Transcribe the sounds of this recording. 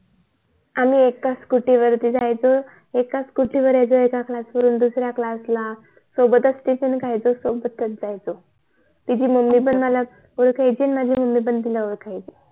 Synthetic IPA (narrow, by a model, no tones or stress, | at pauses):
amiekːaskuʈiʋəɾt̪id͡zajt͡so | ekːaskuʈiʋəɾajd͡zoekaklasʋəɾuːnd̪usɾjaklasla | sobət̪əsʈiɕənkajd͡zosobət̪ːət̪̚d͡zajt͡so | t̪id͡ʑiːməmːibənd̪məla | oɾkʰajd͡ʑinmad͡ʑʱiːməmːibənd̪d̪ilaoɾkʰajt͡se